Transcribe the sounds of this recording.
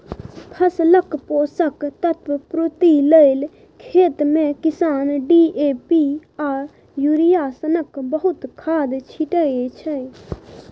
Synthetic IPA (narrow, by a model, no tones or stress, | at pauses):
pʰɐsləkpoːsəkt̪ɐt̪wpɾoːt̪iləil | kʰeːt̪mẽkɪsaːnɖiʔeːpiaːɾ | juːɾijasənəkbəɦʊt̪kʰːaːd̪t͡ʃʰiʈəet͡ʃʰə